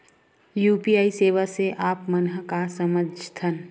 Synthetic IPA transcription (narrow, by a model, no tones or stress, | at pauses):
juːpiaːiseːʋaseʔaːpmənɦəkasəməd͡ʒt̪ʰən